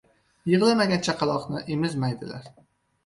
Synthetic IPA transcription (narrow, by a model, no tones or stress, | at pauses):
jɨʁlˠɪmaɡʲant͡ʃʰaqʰɑlˠɒqnɪʔemɪzmajd̪ɪla̰ɾ